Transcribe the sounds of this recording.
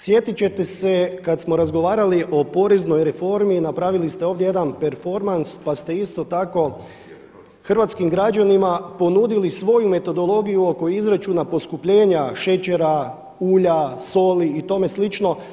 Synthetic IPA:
sje̞t̪it͡ɕe̞t̪e̞se̞kat̪smo̞ɾazɡo̞ʋaːɾaliʔo̞po̞ɾezno̞jɾe̞fo̞ɾminapɾaʋilist̪e̞o̞ːʋd̪jeje̞d̪anpeɾfo̞ɾmanspast̪e̞ist̪o̞t̪ako̞ | xr̩ʋat̪skimɡɾad͡ʒanimapo̞nud̪ilisʋo̞jume̞t̪o̞d̪o̞lˠo̞ɡijuo̞ko̞izɾat͡ʃunapo̞skupʎe̞ːɲaʃe̞t͡ɕe̞ɾa | uːʎaso̞ːliːt̪o̞me̞slit͡ʃno̞

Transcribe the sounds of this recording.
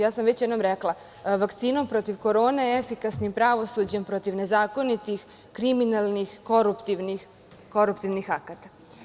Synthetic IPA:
jaːsamʋet͡ɕjd̪no̞mɾeklˠa | ʋakt̪siːno̞mpɾo̞t̪iʋko̞ɾo̞ːnejeefikasnimpɾaʋo̞sud͡ʑempɾo̞t̪iʋne̞zaːko̞nit̪ix | kɾiminalˠnixko̞ɾupt̪iʋnix | ko̞ɾupt̪iʋnixakat̪ḁ

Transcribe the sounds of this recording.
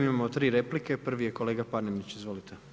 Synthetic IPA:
imamot̪ɾiːɾe̞plike̞pr̩ʋije̞ko̞le̞ːɡapaɾnemnit͡ɕizʋo̞lit̪ʰe

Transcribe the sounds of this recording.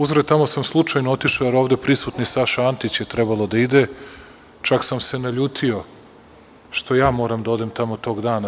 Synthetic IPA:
uzɾet̪amo̞samslˠut͡ʂajnoo̞t̪iʃojeɾo̞ːʋd̪e̞pɾisut̪nisaʃaant̪it͡ɕjet̪ɾebalˠod̪aid̪e | t͡ʂaksamse̞naʎuːt̪ʰio̞ | ʃt̪ʰo̞jaːmo̞ːɾamd̪ao̞d̪e̞mt̪amot̪o̞ːɡd̪aːna

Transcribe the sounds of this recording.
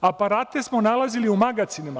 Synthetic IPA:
apaɾaːt̪e̞smonalˠaziliumaɡat̪sinima

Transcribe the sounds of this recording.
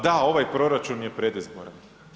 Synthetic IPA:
d̪ao̞ʋajpɾo̞ɾat͡ʃunje̞pɾe̞d̪izboɾan

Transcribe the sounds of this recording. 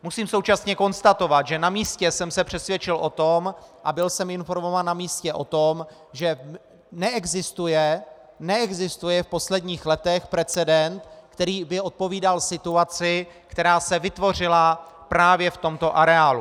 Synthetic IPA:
musiːmso̞wt͡ʃasɲɛko̞nst̪at̪o̞vat̪ʒɛnamiːscɛsɛmsɛpr̝̥ɛsvjɛt͡ʃɪlʔo̞t̪o̞mʔabɪlsɛmɪnfo̞ɾmo̞vaːnːamiːscɛʔo̞t̪o̞m | ʒɛ | nɛɛɡzɪst̪ujɛ | nɛɛɡzɪst̪ujɛfpo̞slɛdɲiːxlɛt̪ɛxpɾɛt͡sɛdɛnt̪kt̪ɛɾiːbɪo̞t̪̚po̞viːdalsɪt̪uat͡sɪ | kt̪ɛɾaːsɛvɪt̪vo̞r̝ɪla | pɾaːvjɛft̪o̞mt̪o̞ʔaɾɛaːlu

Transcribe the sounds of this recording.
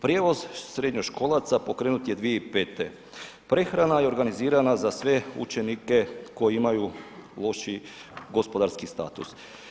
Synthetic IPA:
pɾje̞ːʋo̞zsɾed̪ɲoʃko̞lˠat̪sapo̞kɾe̞ːnut̪je̞d̪ʋijeipeːt̪ḛ | pɾe̞xɾanajeo̞ɾɡaniziːɾanazasʋe̞ṵt͡ʃe̞nike̞ko̞jeimajulˠo̞ʃi | ɡo̞spo̞d̪aɾskist̪a̰ːt̪ṵs

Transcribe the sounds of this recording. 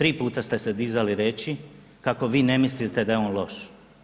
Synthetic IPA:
t̪ɾiːpuːt̪ast̪e̞se̞d̪izaliɾe̞ːt͡ʃi | kako̞ʋiːne̞mislit̪e̞d̪ajeoːnlo̞ʃ

